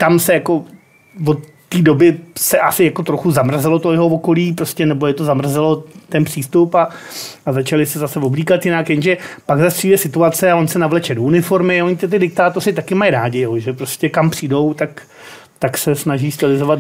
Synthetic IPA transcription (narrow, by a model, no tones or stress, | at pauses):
t̪amsɛjako̞ | vo̞t̪ːiːdo̞bɪsɛʔasɪjako̞t̪ɾoxuzamr̩zɛlo̞t̪ojɛɦo̞oko̞liːpɾoscɛnɛbojɛt̪o̞zamr̩zɛlo̞t̪ɛnpr̥iːst̪upaazat͡ʃalɪsɛzasɛvobliːkat̪jɪnakjɛnʒɛpaɡzast̪riːdɛsɪt̪uat͡sɛavo̞nsɛnavlɛt͡ʃɛdounɪfo̞ɾmɪoɲɪt̪ɪt̪̬ɪdɪk̚t̪aːt̪o̞rɪt̪akɪmajɾaːɟɪjɛɦoʒɛpɾo̞scɛkampr̥iːdo̞wt̪ak | t̪aksɛsnaʒiːst̪ɪlɪzo̞vad̪